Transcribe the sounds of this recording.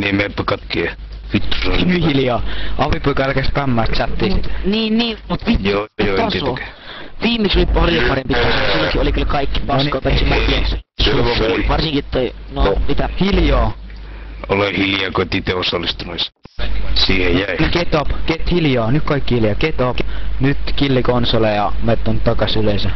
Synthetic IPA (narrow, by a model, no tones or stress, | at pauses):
nimepːækɑt̪kiɑ | fit̪ːu̥sonyhiljɑːɑʋipoikɑælkæspæmːæːst̪t͡ʃɑt̪ːiːsit̪ːniːnniːmut̪ʋitojot̪ɑsiok | ʋiːmːeksolipɑrjopɑrempit̪ɑsosilːokiolikylkɑikːi̥pɑnkopæsimækisuʋoʋɑrsĩŋkit̪ːoi | nomit̪æhiljoː | olehiljɑkot̪ʲit̪eosɑlːist̪unos | siːhejjæiniket̪opket̪hiljoːnykkɑikːihiljɑːket̪opnyt̪kilːikonsolejɑmet̪ːont̪ɑkɑsyleˑsæ